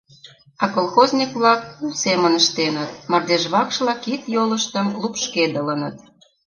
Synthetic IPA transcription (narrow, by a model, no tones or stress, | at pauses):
ɑkolˠxozʲnʲikβlɑk̚usemənəʃt̪enət̪mɑrd̪eʒβɑkʃlɑkit̪joləʃt̪əmlupʃked̪ələnət̪̚